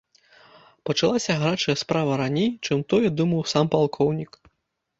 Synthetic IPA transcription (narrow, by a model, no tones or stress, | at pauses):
pɐt͡ʂalˠasʲɐɣɾat͡ʂɐjɐspɾavɐɾanʲejt͡ʂɨmt̪ɔjɛd̪umɐwsampalˠkʰɔwnʲik